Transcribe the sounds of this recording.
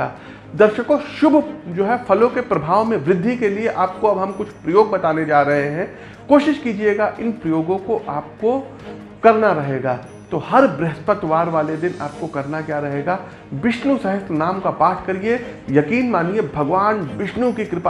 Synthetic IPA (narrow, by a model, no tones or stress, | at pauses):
a̰ː | d̪ɐɾʃəkõʃʊbʱd͡ʒoːɦɛfɐlõkepɾɐbʱaːʋmẽʋɾɪd̪ʱːikelieʔaːp̚koɐbɦɐmkʊt͡ʃʰpɾɐjoːɡ̚bɐt̪aːned͡ʒaːɾɐɦeɦɛ̃ | koːʃɪʃkiːd͡ʒieɡaʔɪnpɾɐjoːɡõkoʔaːp̚ko | kɐɾnaɾɐɦeːɡaː | t̪oːhɐɾbɾɛɦspət̪ʋaːɾʋaːled̪ɪnaːp̚kokɐɾnakjaːɾɐɦeːɡaː | bɪʃnusɐɦəst̪naːmkapaːt̪ʰkɐɾiejɐkiːnmaːniebʱɐɡʋaːnʋɪʃnukikɾɪp